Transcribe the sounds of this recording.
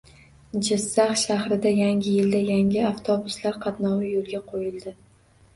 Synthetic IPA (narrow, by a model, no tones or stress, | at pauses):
d͡ʒɪzːaχʃahɾɪd̪ajaŋʲɪjɪld̪ajaŋʲɪaft̪ʰobʊslaɾqʰɑt̪nɒwɪjolˠɡʲaqʰojɪld̪ɪ